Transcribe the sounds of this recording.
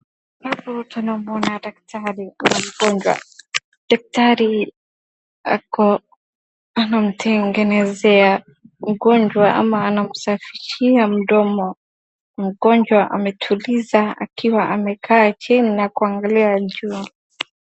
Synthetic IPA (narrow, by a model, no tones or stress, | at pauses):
babɔtanamuɔnadak̚tʰaɾinam̩ɡɔɲd͡ʒwa̰ | dak̚taɾi | a̰kɔ | anam̩tʰɛŋɡɛnɛzɛa | m̩ɡɔɲd͡ʒwaʔa̰maːnam̩safiʃiam̩ɗɔmɔ | m̩ɡɔɲd͡ʒwaʔa̰mɛtʰulizaa̰kiwaʔamɛkʰaːt͡ʃininakuaŋɡaliad͡ʒu